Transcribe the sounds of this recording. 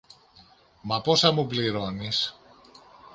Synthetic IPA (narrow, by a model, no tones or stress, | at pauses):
mɐpo̞sɐmupliɾo̞nis